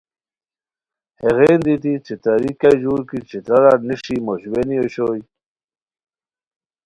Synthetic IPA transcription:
heɣeːnd̪it̪it͡ɕit̪aɾikajʑuːɾkit͡ɕit̪ɾɐɾaniʂimoɕwenijoɕoːj

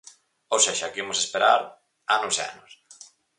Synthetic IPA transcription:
owseʃakimosespeɾaɾ | anʊsea̰nʊs

